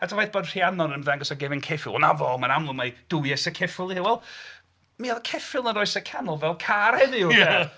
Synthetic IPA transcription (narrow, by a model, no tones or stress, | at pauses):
atʰavajθb̥oːdr̥ianɔdənvɛŋɡɔsaɡɛvɪnkʰɛfɪ̰lˠɔnavɔmanamlˠʊmajd̥ʊjɛsəkʰɛfɪlˠiɪwɛlˠ | miaðkʰɛfɪlˠnəɾɔɨsəkʰanʊlˠvɛlˠkʰaɾɛðɪwɛ